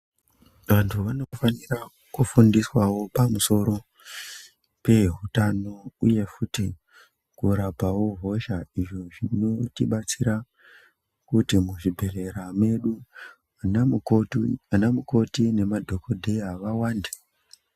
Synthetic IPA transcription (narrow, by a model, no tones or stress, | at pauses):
ʋantʰuʋano̞fanira | kufundiswawo̞pamuso̞ɾo̞ | pe̞ɦutano̞uje̞futi | kuɾabʱawoɦo̞ʃaiʐo̞ʐino̞tiɓat͡siɾa | kutimuʐibʱe̞re̞ɾame̞ɗu | n | anamuko̞tine̞madʱo̞kodʱeaʋawaːnde̥